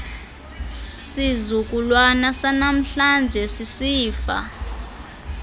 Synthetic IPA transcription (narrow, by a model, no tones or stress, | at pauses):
sizuk̬ʼulwanasanam̩ɬand͡ʒʱɛsisiːfa̰